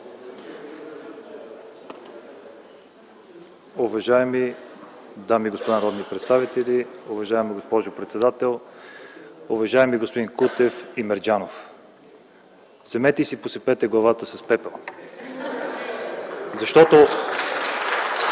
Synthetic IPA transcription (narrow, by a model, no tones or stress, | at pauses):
ʊvɐʒaɛmi | d̪amiɡospod̪anɐɾɔd̪nipɾɛt̪st̪avit̪ɛlʲiʊvɐʒaɛmiɡospɔʒʊpɾɛt̪sɛd̪at̪ɛlˠ | ʊvɐʒaɛmiɡospʊd̪inkut̪ɛfimɛɾd͡ʒanof | sɛmɛt̪ɛsiposɛpɛt̪ɛɡlˠɐvat̪əsɐspɛpɛlˠ | zɐʃt̪ɔt̪o